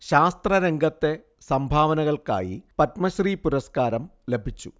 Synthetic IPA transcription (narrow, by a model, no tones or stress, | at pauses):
ɕaːst̪rɐɾe̞ŋɡʱɐt̪ːe̞ | sɐmbʱaːʋɐnɐɣɐɭka̰ːjḭpɐtmɐɕriːpuɾɐskaːɾɐmle̞bʱit͡ɕːu